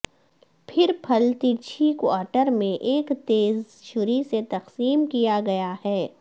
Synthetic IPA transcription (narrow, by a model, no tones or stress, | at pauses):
pʰɪɾpʰɐlt̪it͡ʃʰikaːʈəɾmẽʔeːkt̪eːz | ʃʊɾiset̪ɐqsiːmkijaɡɐjahɛː